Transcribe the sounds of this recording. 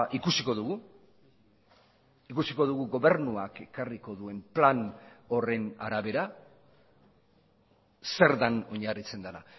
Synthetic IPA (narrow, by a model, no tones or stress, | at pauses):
ʔikusiko̞ðuɣu | ikusiko̞ðuɣuɣo̞βe̞ɾnuake̞kariko̞ðue̞mplano̞re̞naɾaβe̞ɾa | se̞ɾðano̞ɲarit͡se̞nd̪ana̰